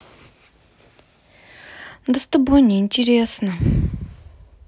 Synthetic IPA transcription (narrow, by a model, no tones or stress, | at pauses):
nd̪əst̪əboɲent͡ɕireʔsna